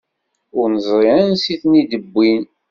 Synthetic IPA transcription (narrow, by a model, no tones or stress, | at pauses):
ʊɾnəzˤɾˤiænsiθnid̪əbːin